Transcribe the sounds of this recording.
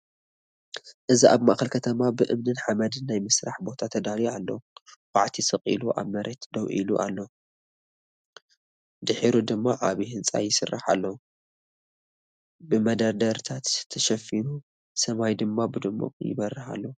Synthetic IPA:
ʔɨziʔa̰βmaʔxɐlkʰɐt̪ʰɐmabɨʔɨmnɨnħamɐd̪ɨnːajmɨsɾaħbo̞t̪ʰat̪ʰɐd̪alialːowʼaʕt̪ʰisɐqʼḭluʔa̰βmɐɾʔet̪d̪ɐwʔḭlṵʔa̰lːo | d̪ɨħiɾud̪ɨmːaʕaβihɨnt͡sʼa̰jɪsɨ̰rːa̰ħa̰lːɐw | bɨmɐd̪ɐɾd̪ɐɾt̪ʰat̪t̪ʰːɐʃɐfinu | sɐmajd̪ɨmːabɨd̪ɨmːṵqʼjɪ̰βɐɾːɨħa̰lːo

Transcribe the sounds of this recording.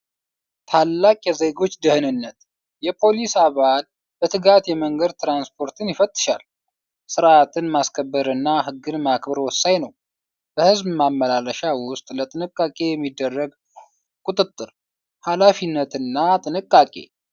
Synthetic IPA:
t̪ʰalːakʼjɛze̞ɡo̞t͡ʃːd̪əhɨnɨnːət̪ | jɛpʰo̞lisaβal | bət̪ʰɨɡat̪jɛməŋɡəd̪̚t̪ʰɾanspʰo̞ɾt̪ʰɨnjɪfət̪ʼːɨ̥ʃal | sɨɾat̪ʰɨnmaskʰəbːəɾɨnːaɦɨɡːɨnmakbəɾwɔsːajnəw | b̥əhɨzbmamːəlaləʃawʊst̪ʼlət̪ʼɨnɨkʼːakʼe̞jɛmːid̪ːərːəɡ | kʼut̪ʼɨt̪ʼːɨɾ | halafinːət̪ɨnːat̪ʼɨnɨkʼːakʼe̞̰

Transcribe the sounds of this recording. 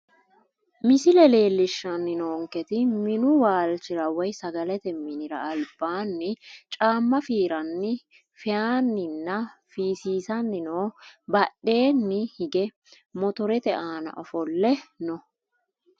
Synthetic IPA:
mɪsɪlɛle̞ːlːɪʃːɐnːɪnoːŋkɛt̪ɪmɪnʊwaːlt͡ʃɪɾɐwɐjsɐɡɐlɛt̪ɛmɪnɪɾɐ̰ːlb̥aːnːɪt͡ʃʼaːmːɐfiːɾɐnːɪ | fɛjaːnːɪnːɐfiːsiːsɐnːɪnoːbɐɗːe̞ːnːɪhɪɡɛ | mɔt̪ɔɾɛt̪ɛʔaːnɐ̰ʔɔfɔlːɛnɔ

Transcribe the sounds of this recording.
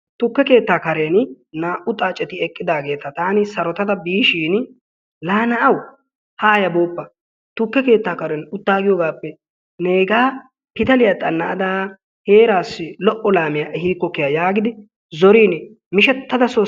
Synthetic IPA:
t̪ʊkːɛke̞ːt̪ːaːkɐɾen | naːʔʊt̪ʼaːt͡ʃʼɛt̪ɪɛkʼːɪd̪aːɡe̞ːt̪ɐt̪aːnɪsɐɾɔt̪ɐt̪ɐbiːʃiːn | laːnɐʔɐw | haːjɐbo̞ːpːɐ | t̪ʊkːɛke̞ːt̪ːaːkɐɾɛnʊt̪ːaːɡɪjoːɡaːpːɛ | ne̞ːɡaː | pɪt̪ɐlɪjat̪ʼɐnːɐʔɐd̪aː | heːɾaːsɪlɔʔɔlaːmɪjaːʔɛhiːkːɔkːɪjajaːɡɪd̪ɪ | zɔɾiːn | mɪʃɛt̪ːɐd̪ɐsoː

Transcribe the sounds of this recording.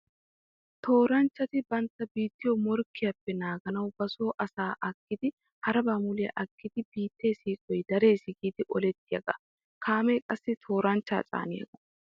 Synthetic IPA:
t̪ʰo̞ːɾɐnt͡ʃːɐt̪ɪbɐnt̪ːɐbiːt̪ːɪjomɔɾkːɪjɐpːɛnaːɡɐnɐwbɐsoːʔɐsaːʔɐkːɪd̪ɪ | hɐɾɐbaːmʊlɪjɐ̰ʔɐkːɪd̪ɪbiːt̪ːeːsiːkʼɔjd̪ɐɾe̞ːsɪɡiːd̪ɪʔɔlɛt̪ːɪjɐɡɐ̰ | kʰaːmeːkʼɐsːɪt̪ʰo̞ːɾɐnt͡ʃːa̰ːt͡sʼa̰ːnɪjɐ̰ɡɐ

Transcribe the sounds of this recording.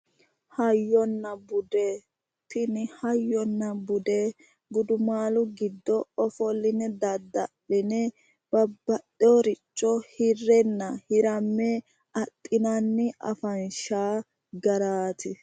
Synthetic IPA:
hɐjːɔnːɐbʊd̪e | t̪ɪnɪhɐjːɔnːɐbʊd̪e | ɡʊd̪ʊmaːlʊɡɪd̪ːɔɔfɔlːɪnɛd̪ɐd̪ːɐlɪnɛ | b̥ɐbːɐɗɔɾɪt͡ʃʼːɔhɪrːɛnːɐhɪɾɐmːɛ | ʔɐt̪ʼːɪnɐnːɪʔɐ̰fɐnʃaː | ɡɐɾaːt̪ɪ

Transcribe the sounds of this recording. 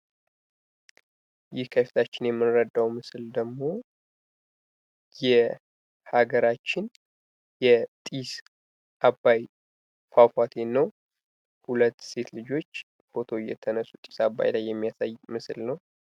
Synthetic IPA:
jɪhkʰəfi̥t̪ʰat͡ʃːɪnjɛmːɨnɾəd̪ːawmɨsɨld̪əɡmo̞ | jɛ | haɡəɾat͡ʃːɪn | jɛt̪ʼis | ʔabːaj | fafat̪ʰe̞nːəw | hulət̪ːse̞t̪lɨd͡ʒo̞t͡ʃː | fo̞t̪ʰo̞jɛ̰t̪ʰənəsːu̥t̪ʼi̥sabːa̰jlajːɛmːijasajmɨsɨlnəw

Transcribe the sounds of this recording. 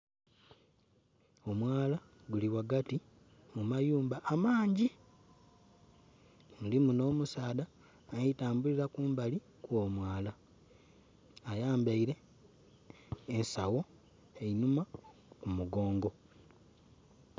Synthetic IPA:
o̞mwaːla | ɡuliwaɡati | mumajuːmbaʔːmaːɲɟi | ndimuno̞ːmusaːda | naitaːmbuliɾakuːmbali | kwo̞ːmwaːla | jaːmbaiɾe̞ | nsawo̞ | e̞inumakumuɡo̞ːŋɡo̞

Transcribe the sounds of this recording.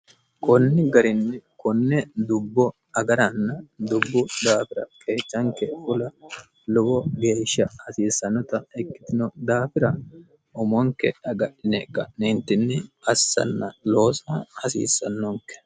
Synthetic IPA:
kɔnːɪɡɐɾɪnːɛkɔnːɛd̪ʊbːɔ | ɐɡɐɾɐnːɐd̪ʊbːʊd̪aːfɪɾɐ̰kʰeːt͡sːɐŋkɛfʊlɐ | lʊbɔɡe̞ːʃːɐhɐsiːsːɐnːɔt̪ɐɛkːɪ̥t̪ɪnɔd̪aːfɪɾɐ | ɔmɔŋkːɛ̰ɐɡɐɗɪnɛkːɐnɪnt̪ːɪnːɛɐsːɐ̰nːɐlo̞ːsɐhɐsḭːsːɐnːɔŋkːɛ̥

